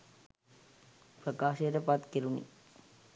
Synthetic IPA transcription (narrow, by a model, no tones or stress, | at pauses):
prəkaːʃejəʈəpat̪keɾunḭ